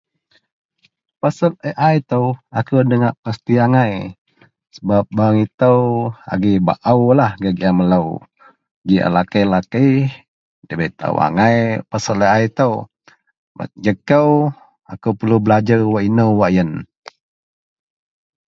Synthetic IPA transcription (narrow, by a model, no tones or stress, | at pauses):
pasəl̚əʔajt̪əwakuwdəŋaʔpast̪iaŋaj | səbap̚baŋit̪əwa̰ɡiba̰ʔəwlahɡaɡjamələw | d͡ʒia̰lakəjlakəj | dəbet̪a̰wa̰ŋajpasələajt̪əw | ba̰t̪̚d͡ʒəkəw | akəwpəlubəlad͡ʒəɣwaʔinəwwaʔjən